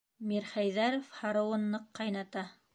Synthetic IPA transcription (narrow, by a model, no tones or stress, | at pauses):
miɾχæjðæɾofhɑɾɤ̆wɤ̆nːɤqːɑjnɑt̪ɑ